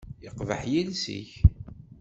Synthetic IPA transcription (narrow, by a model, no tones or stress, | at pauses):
jəqvə̰ħjilsḭç